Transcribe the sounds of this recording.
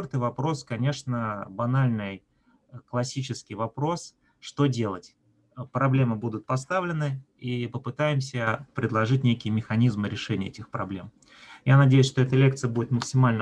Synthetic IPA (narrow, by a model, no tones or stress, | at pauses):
ort̪ɨjvɐpɾo̞skɐnʲe̞ʂnəbɐnalʲnɨj | klˠɐsʲit͡ɕɪskʲɪjvɐpɾo̞s | ʂt̪o̞dʲe̞lˠətʲ | pɾɐblʲe̞mɨbud̪ʊt̪̚pɐst̪avlʲɪnɨ | ipəpɨt̪ajɪmsʲəpɾʲɪd̪lˠɐʐɨt̚ʲnʲekʲɪjəmʲɪxɐnʲizmɨɾʲɪʂɛnʲɪəɛtʲɪxpɾɐ̰blʲe̞m | janɐdʲejʊsʲʂt̪oɛt̪əlʲe̞k̚t̪sɨjəbudʲɪt̪məksʲɪmalʲnə